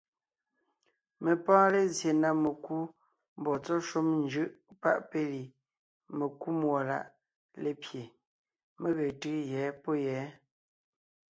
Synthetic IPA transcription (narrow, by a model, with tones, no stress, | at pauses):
me˨pãː˦le˨zje˨na˦me˨ku˦ | m˨bɔ˨t͡sɔ˦ʃo˦mnd͡ʒʉ˦ʔpa̰˦˨ʔpe˦li˨ | me˨ku˦mwɔ˨la̰˦˨ʔ | le˨pje˨ | me˦ɣe˨tɯ˦jɛ˨˦po˦jɛː˨˦